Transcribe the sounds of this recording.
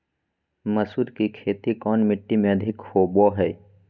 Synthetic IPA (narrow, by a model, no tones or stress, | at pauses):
məsud̪kikʰeːt̪ikɔːnmɪʈːimẽɐd̪ʱɪkhoːbɔːɦɛː